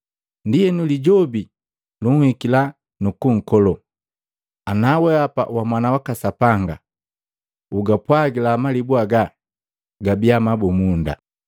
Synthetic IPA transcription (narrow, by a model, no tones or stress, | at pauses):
ndiɛnuliɟɔbi | luŋhikila | nukuŋ̩kɔlɔ | anawɛapa̰wamwanawakasapaŋɡa̰ | uɡapwaɡilaːmalibuaɡa | ɡabiamabɔmunda̰